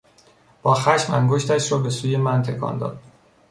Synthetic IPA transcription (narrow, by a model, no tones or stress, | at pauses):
b̥ɒːxæʃmæŋɡoʃt̪ʰæʃɾɒːbe̞suːje̞mænt̪ʰe̞kʰɒ̰ːnd̪ɒ̰ːd̪̥